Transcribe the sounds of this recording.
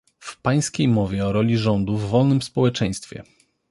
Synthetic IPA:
fpaj̃skʲejmɔvʲjɛɔɾɔlʲiʐɔnd̪uvːɔlnɘmspɔwɛt͡ʂɛj̃st̪fʲjɛ̰

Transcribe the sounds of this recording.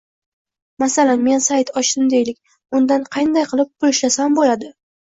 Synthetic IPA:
masalanme̞nsajt̪ʰɒʃd̪ɪmd̪e̞jlɪkʲ | ʊnd̪anqʰɑjnd̪ajqʰɨlˠɪp̚bʊlɪʃlasambolad̪ɪ

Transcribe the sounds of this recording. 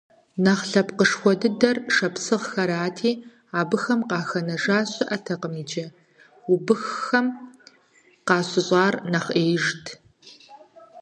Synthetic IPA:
nɐχɬɐpqəʂxʷɔdɨdɐrʂɐpsɨʁxɐɾaːtʰiː | aːbɨxɐmqɑːxɐnɐʒaːɕʼɪʔɐtʰɐqəmiːd͡ʒɐ | ubɨxːɐm | qɑːɕɪɕʼɑːrnɐχeːjʒtʰ

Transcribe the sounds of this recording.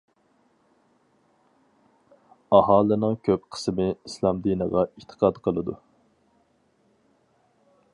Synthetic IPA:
ɑhɑːlˠɨnɨŋkʲʰøpqʰə̥smɪislˠɑmd̪inəʁɑʔit̪ʰə̥qʰɑd̪qʰəlˠɨd̪u

